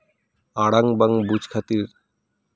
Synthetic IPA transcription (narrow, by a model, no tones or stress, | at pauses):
aɽaŋbaŋbud͡ʑkʰat̪iɾ